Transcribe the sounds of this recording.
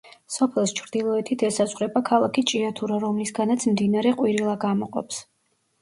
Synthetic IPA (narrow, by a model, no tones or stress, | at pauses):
sɔpʰɛlˠst͡ʃʰɾd̪ilˠɔɛt̪ʰit̪ʰɛsazʁɾɛbakʰalˠakʰit͡ʃʼiat̪ʰuɾaɾɔmlisɡanat̪sʰmd̪inaɾɛqʼwiɾilˠaɡamɔqʼɔ̰ps